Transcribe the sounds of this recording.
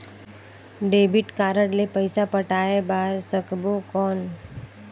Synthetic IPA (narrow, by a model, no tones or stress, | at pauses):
ɖeːbɪʈkaːɾəɽlepəɪsapəʈaːebaːɾsəkbokɔːn